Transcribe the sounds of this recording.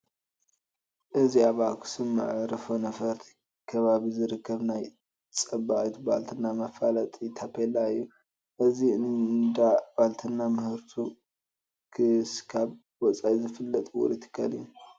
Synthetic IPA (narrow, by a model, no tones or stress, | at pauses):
ʔɨziaβakʰu̥sɨmːa̰ʕɾɐfonɐfɐɾt̪ʰi̥ | kʰɐβaβizɨɾɨkʰːɐβnaj | t͡sʼɐbaʔit̪ʰbalt̪ʰɨnːamɐfalɐt̪ʼit̪ʰapʰelːaɨjːu | ʔɨzid̪ab̥alt̪ʰɨnːamɨhɨɾt̪ʰu | kʰɨskʰaβ | wɔt͡sʼajzɨfɨlːɐt̪ʼwɔ̰ɾit̪ʰɨ̥kʰːalɨjːu